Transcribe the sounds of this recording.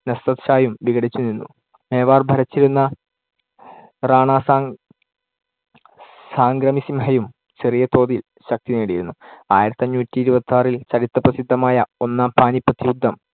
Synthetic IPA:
nɐst̪ɐt̪ɕaːjumʋiɡɐɽit͡ɕːunːinːṵ | meːʋaːrbʱɐɾɐt͡ɕːiɾunːɐ | raːɳaːs | saːŋɡrɐmisimhɐjum | t͡ɕerijɐt̪o̞ːðil | ɕɐk̚t̪ineːɽiɾunːua̰ːjiɾɐt̪ːiɐɲːuːtʲːiːɾubɐt̪ːaːrilt͡ɕɐɽit̪ːɐprɐsid̪ʱːɐmaːjɐo̞nːaːmpʰaːnipːɐt̪ːijud̪ʱːɐm

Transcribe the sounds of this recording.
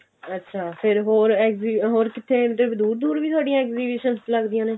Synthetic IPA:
ətːʃʰaːpʰɪɾɦoːɾɛːkziɦoːɾkɪt̪ʰːeːt̪ɾəbd̪uːɾd̪uːɾʋiːt̪ʰʊaːɖijãːɛːkziːbɪʃənsləɡd̪ijãːneː

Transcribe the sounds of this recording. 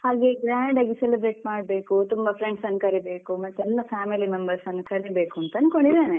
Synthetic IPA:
haːɡe̞ɡɾaːɳɖaːɡiselibɾe̞ːʈ̚maːɽbeːkut̪umbɐpʰɾeɳɖsɐnːukɐɾibe̞ːkumɐt̪ːɛlːɐpʰaːmilimembɐɾsɐnːɐkɐɾibeːkuɐnt̪ɐnkoɳɖid̪aːne

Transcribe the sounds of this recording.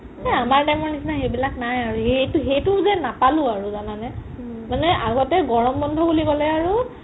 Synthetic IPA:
nɛamaɹtajmɔɹnisnaxejbilaknajaɹuɦejtɦejtʊzɛnapalʊ̃aɹuzananɛ | manɛʔaɡɔtɛɡɔɹɔmbɔndʱɔbuliɡɔlɛaɹu

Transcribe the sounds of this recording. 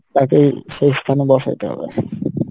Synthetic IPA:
t̪akejʃejst̪ʰanebɔʃaj̰t̪eɦɔ̰bḛ

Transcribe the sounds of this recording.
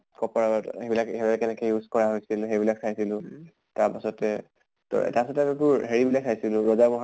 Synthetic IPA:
kɔpaɔthebilakɦeɹɔɛkɛnɛkɛjuzkɔɹaɦojsilxejbilaksʰajsilʊ̃ | taɹpasɔtɛ | tɔ̰taɹpasɔtɛamɔbʊɹɦeɹibilak̚sʰajsilʊ̃ɹɔzamɔɦ

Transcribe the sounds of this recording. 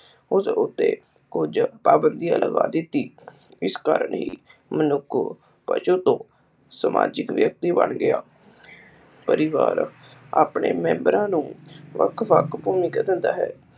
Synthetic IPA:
ʊsʊt̪ːḛː | kʊd͡ʒpaːbənd̪ijãːləɡa̰ːd̪ɪt̪ːiːɪskaːɾəɳɦḭːmənʊkʰ | pə̰ʃuːt̪õː | səma̰ːd͡ʒɪkʋjək̚t̪iːbə̰ɳɡɪaː | pəɾɪʋaːɾ | aːpɳeːmɛ̃ːmbəɾãːnũːʋəkʰʋəkʰpuːmĩːkəd̪ɪnd̪aːɦɛː

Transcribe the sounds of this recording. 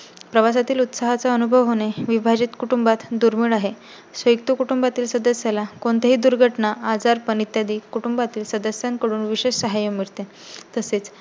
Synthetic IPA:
pɾəʋasat̪iːlut̪saɦat͡saənubʱəʋɦoñeʋibʱad͡ʑiːt̪kuʈumbat̪d̪uɾmiːɭaɦe | sʋəjk̚t̪ukuʈumbat̪iːlsəd̪əsjalakoɳt̪eɦiːd̪uɾɡʱəʈnaad͡zaɾpəɳit̪jad̪iːkuʈumbat̪iːlsəd̪əsjənkəɽuːnʋiɕeʂsəɦajomiɭt̪e | t̪əset͡s

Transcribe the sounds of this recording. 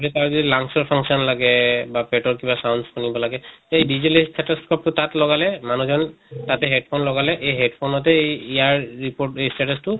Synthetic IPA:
ɾɛtaɹzdilaŋsɔɹpʰaŋksiɔnlaɡɛbapeʈɔɹkibasawnskunibɔlaɡɛejdizelistʰɛtɔskɔp̚tʊtatlɔɡalɛmanuzɔntatɛɦed̚pʰonlɔɡalɛʔejɦedpʰonɔtɛejijaɹɹipoɹtejstʰɛtɔstʊ

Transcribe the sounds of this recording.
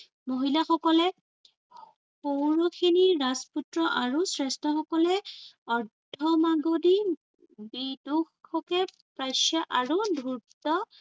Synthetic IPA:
moɦilaxɔkɔlɛ | xowɹokʰiniːasputɹɔʔaɹusɹɛstɔxɔkɔlɛɔɹdʱɔmaɡodi | biduxɔkɛ | pɹajsaʔaɹudʱuɹtɔ

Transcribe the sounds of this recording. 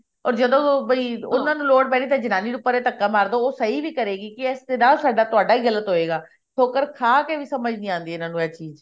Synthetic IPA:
ɔːɾd͡ʒəd̪õːbəiːʊnãːnũːloːɽpɛːɽ̃iːt̪ãːd͡ʒɪnaːniːɖʊpːəɾet̪əkːaːmaːɾd̪oːoːsəɦiːʋiːkəɾeːɡiːkɪɛsd̪eːnãːsaːɖaːt̪ʊaːɖaːɦiːɣələt̪ɦoːeːɡaː | t̪ʰoːkəɾkʰaːkeʋiːsəməd͡ʒnĩːãːnd̪iːɛɪnãːnũːɛːt͡ʃiːz

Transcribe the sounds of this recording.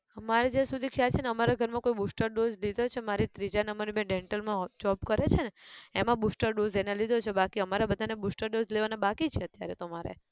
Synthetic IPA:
maɾed͡ʒasud̪ʱikʰjat͡ʃʰeneəmaɾaɡʱəɾmãkoibusʈəɾɖozlid̪ʱot͡ʃʰemaɾit̪ɾid͡ʒanəməɾibẽɖeɳʈəlmãd͡ʒɔbkəɾet͡ʃʰeneemãbusʈəɾɖozenelid̪ʱot͡ʃʰebakiəmaɾabəd̪ʱanebusʈəɾɖozleʋanebakit͡ʃʰeət̪jaɾḛt̪omaɾḛ

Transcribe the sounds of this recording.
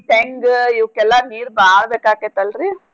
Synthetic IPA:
ʈeŋɡiʋkːɛlːaniːɾbaːɽbeːkaːket̪ɐlɾi

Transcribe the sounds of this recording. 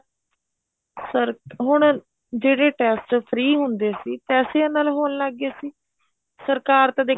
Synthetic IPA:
səɾɦʊɳ | d͡ʒeːɽeːʈɛːsʈpʰɾiːɦʊnd̪eːsiːpɛːseãːnaːlɦoːnlaːɡeːsiː | səɾkaːɾt̪ad̪eː

